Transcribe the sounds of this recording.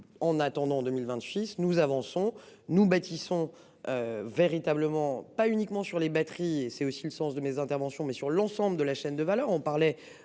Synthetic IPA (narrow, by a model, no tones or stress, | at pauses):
ɑ̃nat̪ɑ̃d̪ɑ̃d̪əmilvɛ̃t̪sisnuzavɑ̃sɔ̃nubat̪isɔ̃ | øveʁit̪abləmɑ̃paynikmɑ̃syʁlebat̪χiesɛosiləsɑ̃sd̪əmezɛ̃t̪ɛʁvɑ̃sjɔ̃mɛsyʁlɑ̃sɑ̃bləd̪əlaʃɛnd̪əvalœʁɔ̃paʁlɛ